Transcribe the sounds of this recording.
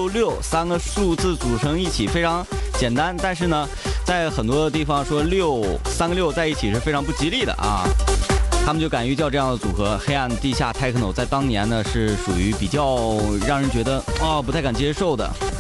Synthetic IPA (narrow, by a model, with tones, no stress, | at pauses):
o˥˧ʊljo˥˩ʊsa˥nɡə˨ʂu˥˧t͡sɹ̩˥˩t͡su˨˩ʈ͡ʂʰɤ˧˥ŋi˥˩t͡ɕʰi˨˩fe˥ɪʈ͡ʂʰɑ˧˥ŋt͡ɕjɛ˨˩nt̪a˥nt̪a˥˧nʂɻ̩˥˩nə˩ | t͡sa˥˩ɪxə˨˩nt̪wɔ˥d̪ə˧t̪̬i˥˩fɑ˨˩ŋʂwɔ˥ljo˥˩˧ʊsa˥nɡə˧ljo˥˧ʊt͡sa˥˧ɪi˥˩t͡ɕʰi˨˩ʂɻ̩˥˩fe˥ɪʈ͡ʂʰɑ˧˥ŋp̬u˥˩t͡ɕi˥li˥˩d̪ə̰˩ʔɐ̰˧˩ | t̪ʰa˥mə˨nt͡ɕjo˥˩ʊka˨˩ny˥˧t͡ɕjɑ˥˧ʈ͡ʂɤ˥˧jɑ˥˩ŋd̪ə˩t͡su˨˩xɤ˧˥xe˥ɪa˥˧nə˩t̪i˥˧ɕja̰˥˩t̪ʰa˥˧ɪkʰɤ˥no˨˩t͡sa˥˩ɪt̪ɑ˥ŋnjɛ˧˥nnə˧ʂɻ̩˥˩ʂu˨˩y˧˥pi˨˩t͡ɕjɑ˥˩ʊɻɑ˥˩ŋɻə˧˥nt͡ɕɥɛ˧˥d̪ə˧ɔ˥˧˩p̬u˧t̪ʰa˥˩ɪka˨˩nt͡ɕjɛ˥ʂo˥˩ʊd̪ə̰˩